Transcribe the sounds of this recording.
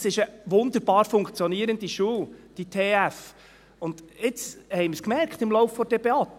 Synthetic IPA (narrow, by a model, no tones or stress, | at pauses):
sɪʃəʋʊnd̪əɾb̥ɑːɾfʊŋkt͡sjɔniəɾəndiʃuːwd̥it̪ʰeːæf | ʊnd̥̪ɪt͡shɛɪməskmɛrkχt̪ɪmlɔwfːɔd̥ɛbeɑt̪